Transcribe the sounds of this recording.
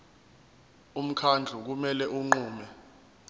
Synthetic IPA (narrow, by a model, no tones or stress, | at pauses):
um̩kʰand͡ɮʱuk̬umɛlɛʔuŋ͡ǃuːmɛ